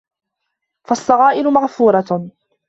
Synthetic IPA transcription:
fasˤːɑɣɑːʔɪɾʊmaʕfuːɾˤɑ

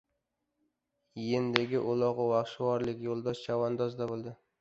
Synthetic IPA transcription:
jend̪eɡʲɪʔʊlˠɒʁʊwaχʃwɒɾlɪkʲjolˠd̪ɒʃt͡ʃʰawand̪ɒzd̪abolˠd̪ɪ

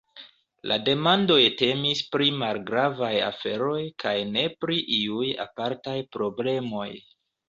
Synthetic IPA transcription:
lʔa̰de̞mando̞jte̞mispɾimalɡɾavaja̰fe̞ɾo̞jkʰajne̞pɾiʔiuja̰paɾtajpɾo̞ble̞mo̞j

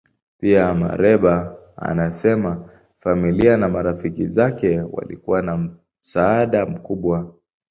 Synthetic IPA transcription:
piama̰ɾɛɓa | a̰nasɛma | familianamaɾafikizakɛwa̰lḭkuwana | m̩saaɗam̩kuɓwa

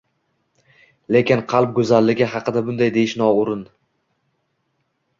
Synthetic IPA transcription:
le̞kʲɪnqʰɑlˠp̚ɡɵzalːɪɡʲɪɦɑqɨd̪abʊnd̪ajd̪e̞jɪʃnɒʊɾɪn

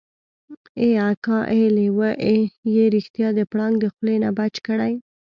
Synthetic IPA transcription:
eakɑʔelewəʔejeɾixt̪jɑd̪əpɽɑŋɡd̪əxlenabat͡ʃkəɽaj

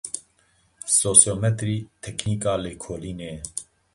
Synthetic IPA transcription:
soːsjoːmɛt̪ɾiːt̪ʰɛkʰniːkaːleːkʰoːliːneː

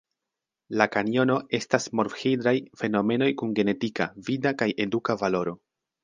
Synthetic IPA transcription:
lakanio̞no̞e̞stasmo̞ɾfxejdɾajfe̞no̞me̞no̞jkunɡe̞ne̞tikavidakaje̞dukavalo̞ɾo̞

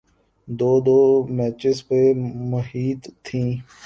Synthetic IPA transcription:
d̪oːd̪oːmɛːt͡ʃɪspeːməɦiːt̪t̪ʰːĩː

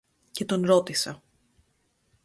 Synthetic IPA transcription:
ce̞t̪o̞nɾo̞t̪isɐ

